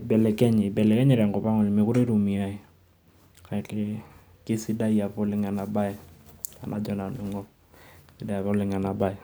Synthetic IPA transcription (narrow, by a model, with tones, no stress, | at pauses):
bɛ˨lɛ˨kɛ˦ɲ˨bɛ˨lɛ˨kɛ˦ɲɪ˦ɾa˨ŋɡɔ˨pa˦ŋɔ˨lɪ˨mɪ˨kʊ˦ɾe˦ɾu˨mi˨a˦i˨ | ka˨ɪ˨te˦ | kɪ˦si˦da˦ija˨po˦lɪ˦ŋa˨na˨ba˦ɪ˦a̰˨nʔa˨d͡ʒɔ˦na˨ni˨˦ŋɔ˦ | sɪ˦da˦ja˨po˦lɪ˦ŋa˨na˨ba˦ɪ˦˨